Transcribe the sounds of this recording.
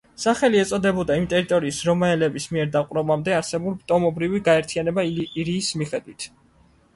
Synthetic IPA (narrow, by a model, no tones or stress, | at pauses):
saχɛliɛt̪sʼɔd̪ɛbɔd̪aimt̪ʼɛɾit̪ʼɔɾiːsɾɔmaɛlɛbismiɛɾd̪aqʼwɾɔbamd̪ɛaɾsɛbulˠpt̪ʼɔmɔbɾiviɡaɛɾt̪ʰianɛbaɾiːsmiχɛd̪wit̪ʰ